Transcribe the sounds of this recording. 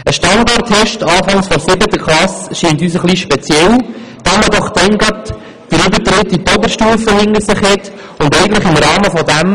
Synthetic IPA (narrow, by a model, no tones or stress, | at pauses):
əʃtɑndɑrthɛʃtɑːfɑŋsfɔsɪbətəklɑsʃiːntyːs̬əχliʃpɛt͡sjɛl | d̪̥ɑməd̪ɔχd̥̪ɛŋɡɑt | d̥̪əɾʏbət̪ɾɪtːit̪ɔbəɾʃtuːfəhɪŋəsɪχhɪt | ʊndɛɪɡən̩t̪ləχɪmɾɑːməfɔdæm